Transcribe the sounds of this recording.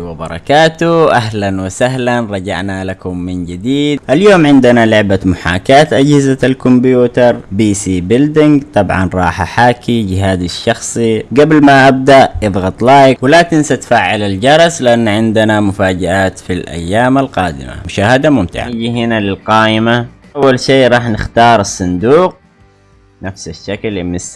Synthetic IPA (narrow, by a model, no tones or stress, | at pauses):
wɪbɑ̰ɾˤɑ̰kaːt̪uʔaɦlanwɪsaɦlanɾˤɑd͡ʒa̰ʕnalakʊmːɪnd͡ʒɪd̪iːd̪ʔaljoːmʕɪnd̪analʊʕbamʊħa̰ːkaːt̪ʔad͡ʒhɪzaalkʊmbjjuːt̪ɑɾˤbiːsiːbɪld̪ɪŋɡt̪ˤɑbʕɑ̰nɾˤɑːħaħaːkʰid͡ʒɪɦaːd̪aʃːɑxsˤiɡablmaʔab̚d̪aʔʔɨðˤɣɑt̪ˤlaːjakwɪlat̪ɪnsat̪faʕːalald͡ʒɑɾˤɑslɪʔanːʕɪnd̪ɪnamʊfaːd͡ʒaʔaːt̪filʔa̰jːaːmalqɑːd̪ɪ̰ma̰mʊʃaːhad̪amʊmt̪ɪ̰ʕa̰d͡ʒiɦɪnalɪlqɑːʔɪma | ʔawːalʃiːɾˤɑːħnɪxt̪ɑːɾˤɨsˤːɑnd̪uːq̚ | nafsaʃːaklɪmɪs